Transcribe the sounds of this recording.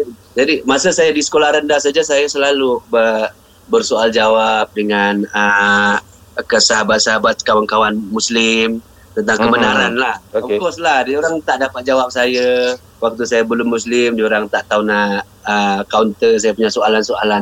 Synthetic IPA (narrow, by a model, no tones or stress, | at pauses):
d͡ʒadimasəsajadisə̥kolahɾəndasad͡ʒasajasəlalubə | bərsoald͡ʒawap̚dəŋanə | kəsəɦabat̪̚səɦabat̪̚kawankawanmuslɪm | t̪ənt̪aŋkəbənaɾanlahoəkɔslahdioɾaŋt̪aʔdapat̪̚d͡ʒawap̚saja | wak̚t̪usajabəlʊmːuslɪmdioɾaŋt̪aʔt̪aunaʔ | əkawnt̪əsajapuɲasoalansoa̰lan